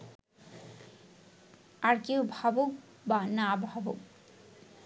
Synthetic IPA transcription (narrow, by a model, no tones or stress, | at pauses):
aɾkiwbʱabuk | banabʱabuk